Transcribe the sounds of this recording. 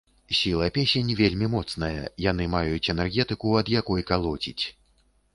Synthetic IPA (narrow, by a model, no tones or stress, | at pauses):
sʲilˠɐpʲesʲenʲvʲelʲmʲimɔt̪snɐjɐ̰janɨmajut͡sʲɛnɛrɣʲɛt̪ɨkuɐd̪jakɔjkalˠɔt͡sʲḭt͡sʲ